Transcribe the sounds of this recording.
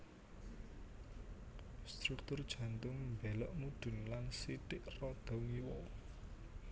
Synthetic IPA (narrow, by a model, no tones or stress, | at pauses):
st̪ɾuk̚t̪ʊrd̥ʒ̥ä̤nt̪ʊŋmbɛlɔʔmuɖ̪̥ʊ̤nlansiʈ̪ɪʔrɔd̪̥ɔ̤ŋiwɔ